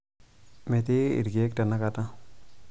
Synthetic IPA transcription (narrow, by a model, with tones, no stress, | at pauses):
mɛ˨t̪i˦ḭ˨ɾɡe˦k̚ta˨nːa˦kata˦